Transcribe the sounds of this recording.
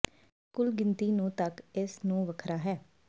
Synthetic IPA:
kʊlɡɪnt̪iːnũːt̪əkɪsnũːʋəkʰɾaːɦɛː

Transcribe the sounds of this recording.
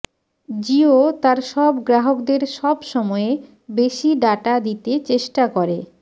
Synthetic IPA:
d͡ʑiot̪aɾʃɔbɡɾaɦokd̪eɾʃɔbʃɔmɔe | beʃiɖaʈad̪it̪et͡ɕeʃʈakoɾe

